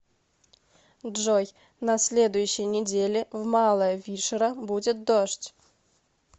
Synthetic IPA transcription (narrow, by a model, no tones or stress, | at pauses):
ʐoj | nɐsʲlʲe̞d̪ʊjʉɕːɪjnʲɪdʲelʲɪvmɑlˠəjəvʲiʂəɾəbudʲɪt̪̚d̪oʂtʲ